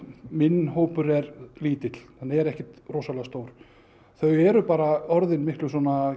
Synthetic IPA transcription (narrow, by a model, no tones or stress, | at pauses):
mɪnːɦoːwpʏɾɛɾliːt̪ɪt̪l̥θanːɛɾɛhcɪ̥t̪roːsalast̪oːwɾ̥ | θœɥɛɾʏpaːɾaɔɾðɪnmɪhklʏsɔna